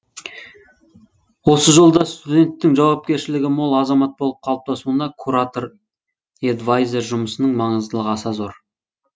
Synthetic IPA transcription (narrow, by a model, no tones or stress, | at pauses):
wo̞səʒo̞lˠd̪ɑst̪ud̪ʲe̞nt̪ːɪŋʒɑwɑp̚kʲe̞ɾʃɪlɪɡʲɪmolˠɑzɑmɑt̪̚bolˠəp̚qʰɑlˠəp̚t̪ʰɑsuənd̪ɑkʰuɾat̪o̞ɾ | ed̪vajzʲe̞ɾʒʊməsənəɴmɑɴəzd̪əlˠəʁɑsɑzo̞ɾ